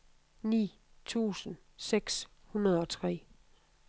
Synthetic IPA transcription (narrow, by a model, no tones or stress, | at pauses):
nḭː | t͡sʰṵːsən̩ | seɡ̥shunɐð̞̩ˠɒ̽t͡sʰʁɛ̰ː